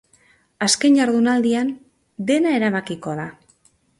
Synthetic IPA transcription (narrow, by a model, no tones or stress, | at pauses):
aske̞ɲɟaɾðunald̪ian | d̪e̞nae̞ɾaβakiko̞ða